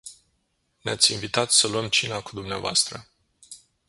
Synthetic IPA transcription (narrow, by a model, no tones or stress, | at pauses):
neat̪sʲinvit̪at̪səluəmt͡ʃinakud̪umneavoa̰st̪ɾə